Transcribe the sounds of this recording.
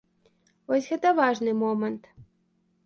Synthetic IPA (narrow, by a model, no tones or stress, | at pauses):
osʲɣɛt̪əvɑʐnɨmomənt̪